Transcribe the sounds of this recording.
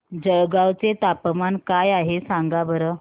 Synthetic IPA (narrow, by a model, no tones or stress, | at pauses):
d͡zəɡawt͡set̪apəmankajaɦesãŋɡabəɾə